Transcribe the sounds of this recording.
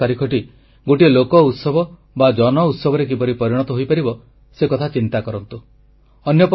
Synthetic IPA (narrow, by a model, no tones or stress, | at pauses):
aɾikʰɔʈi | ɡoʈilokɔut̪sɔbɔ | bad͡ʒɔnɔut̪sɔbʱɔɾek̬ipɔɾipɔɾiɽ̃ɔt̪ɔɦojpaɾibɔ | sekɔt̪ʰat͡ʃint̪akɔɾɔnt̪u | ɔnjɔp